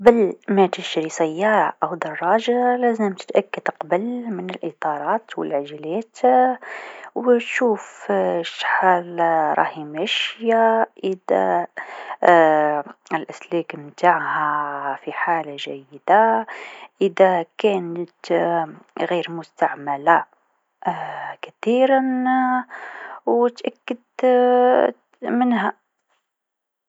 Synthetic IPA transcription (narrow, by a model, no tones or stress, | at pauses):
bəlmæt̪əʃɾisˤæjːɑɾʔəwd̪ɑrˤːɑʒalæzəmt̪ə̥t̪ʔækːəd̪qɑbəlmənəlʔit̪ˤɑɾˤɑt̪wə̰lʕaʒlæt̪ | wət̪ʃufʃħalɾˤɑ̰himæʃjaʔəd̪æ̰ | əlʔæslikmt̪aʕhæfiħalaʒæjːəd̪a | ʔəd̪ækænət̪ | ɣiɾmʊst̪aʕməla | kæt̪iɾən | wət̪ʔækːəd̪ | mənhæ